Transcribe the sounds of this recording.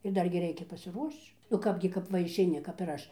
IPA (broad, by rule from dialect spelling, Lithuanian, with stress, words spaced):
ɪr ˈdɐrʲɡʲɪ ˈrʲɛɪkʲɛ pɐsʲɪˈruɔʃt͡ʃ nʊ ˈkɑːbʲɡʲɪ kɐp ˈʋɐ ɪʃʲɛɪˈnʲɪ kɐp ɪr ˈɐʃ